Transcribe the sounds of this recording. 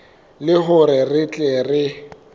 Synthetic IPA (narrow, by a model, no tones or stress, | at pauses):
lɪɦʊɾɪrɪt͡ɬʼerɪ